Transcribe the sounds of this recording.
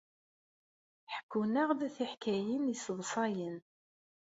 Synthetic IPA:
ħə̥kʰːunaʁðæθiħkæjinisəðsˤɑjən

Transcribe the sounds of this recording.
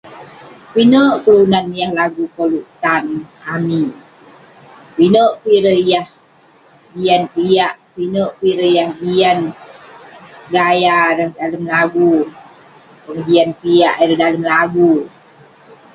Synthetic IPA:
pinəʔkəlunanjahlaɡukoluʔt̪anami | pinəʔpiɾəjah | ɡijanpijaʔ | pinəʔpiɾəjahɡian | ɡajaɾəhdaləmlaɡu | pəŋd͡ʒianpijaʔiɾəhdaləmlaɡu

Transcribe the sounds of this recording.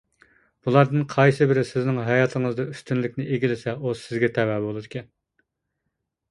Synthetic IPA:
b̥ulˠɑɾd̪ɨnqʰɑjsɨbɪɾɪsɪznɪŋɦɛjɑt̪ʰɨŋɨzd̪ɑyst̪ynlɪkʲnɪʔeɡʲilɪsɛosɪzɡʲɛt̪ʰɛwɛbolˠɨd̪ɪkʲɛn

